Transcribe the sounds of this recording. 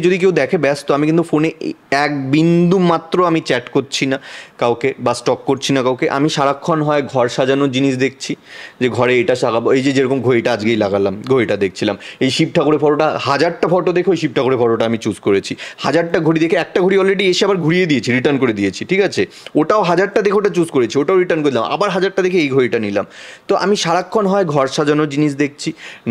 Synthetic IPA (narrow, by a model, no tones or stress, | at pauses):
d͡ʑod̪ik̬ewd̪ɛkʰebɛst̪oamikint̪ufoneɛk̚bind̪umat̪ːɾoamit͡ɕɛʈkoɾt͡ɕʰinakawkebasʈɔkːoɾt͡ɕʰinakawkeʔa̰miʃaɾakʰːonɦɔeɡʱɔɾʃad͡ʑanod͡ʑiniʃd̪ek̚ʰt͡ɕʰid͡ʑeɡʱɔɾeeʈaʃaɡabejd͡ʑed͡ʑeɾɔkomɡʱoeʈaad͡ʑɡejlaɡalamɡʱoeʈad̪ek̚ʰt͡ɕʰilamejʃib̚ʈʰakoɾefɔɽoʈahad͡ʑaɽ̚ʈafɔʈod̪ekʰoejʃib̚ʈʰakoɾefɔɽoʈaamit͡ɕuskoɾet͡ɕʰihad͡ʑaɖ̚ʈaɡʱoɾid̪ekʰeɛk̚ʈaɡʱoɽiɔlɾeɖieʃiabaɾɡʱuɾied̪ijet͡ɕʰiɾiʈəɾnkoɾed̪ijet͡ɕʰiʈʰikat͡ɕʰe | oʈaoɦad͡ʑaɖ̚ʈad̪ekʰeoʈat͡ɕuzkoɾet͡ɕʰioʈaoɾiʈəɾnkoɾed̪ilamʔa̰baɾɦad͡ʑaɖ̚ʈːad̪ekʰeejɡʱoeʈanila̰mt̪oʔamiʃaɾakʰːɔnɦɔeɡʱɔɾʃad͡ʑanod͡ʑiniʃd̪ek̚ʰt͡ɕʰi